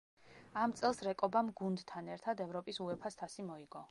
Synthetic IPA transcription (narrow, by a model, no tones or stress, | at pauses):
amt̪sʼɛlˠsɾɛkʼɔbamɡund̪t̪ʰanɛɾt̪ʰad̪ɛvɾɔpʼisuɛpʰast̪ʰasimɔiɡ̥ɔ